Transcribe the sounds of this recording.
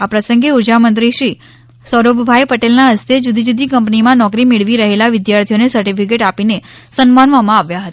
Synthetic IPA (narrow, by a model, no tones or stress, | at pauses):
apɾəsə̃ŋɡeuɾd͡ʒamə̃nt̪ɾiʃɾi | sɔɾobʱbʱajpəʈelnaəst̪ʰed͡ʒud̪ʱid͡ʒud̪ʱikəmpnimãnɔkɾimeɭʋiɾəɦelaʋɪd̪jaɾt̪ʰijonesəɾʈifik̬eʈapinesənmanʋamãaʋjaɦət̪a